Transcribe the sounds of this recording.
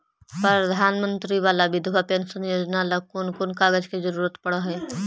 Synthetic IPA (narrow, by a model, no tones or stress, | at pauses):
pɾəd̪ʱaːnmə̃nt̪ɾiʋaːlabɪd̪ʱʋapensənjoːd͡ʒnaləkonkonkaːɡəd͡ʒkezəɾuɾət̪pəɽəɦɛ